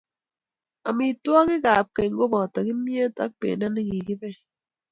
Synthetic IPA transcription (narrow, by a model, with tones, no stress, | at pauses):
a˨mi˨twɔ˦ki˦ɡa˨p̚ke˨ŋ˦ɡo˦bɔ˨ta˨ki˦mje˦ta̰˦k̚pḛ˨na˦ni˦ɡi˨ki˦bɛ˦˨